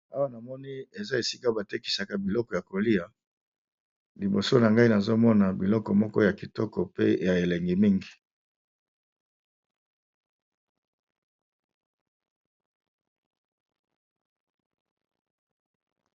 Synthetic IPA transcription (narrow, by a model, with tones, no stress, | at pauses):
a˦wa˦na˨mɔ˦ni˦e˨za˦e˨si˦ka˦ba˨te˦ki̥˨sa˨ka˦bi˨lɔ˦kɔ˨ja˨ko˨li˦a˨ | li˨bo˨so˦na˨ŋɡa˦i˦na˨zo˦mɔ˦na˨bi˨lɔ˦kɔ˨mɔ˦kɔ˦ja˨ki˨tɔ˦kɔ˨pe˦ja˨e˨le˨ŋɡe˨mi˦ŋɡi˨